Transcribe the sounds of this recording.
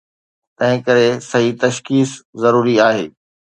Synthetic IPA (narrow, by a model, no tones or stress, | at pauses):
t̪ɐ̃ɦɪ̃kɐɾesɐɦit̪ɐʃkiːszɐɾuːɾiaːɦeː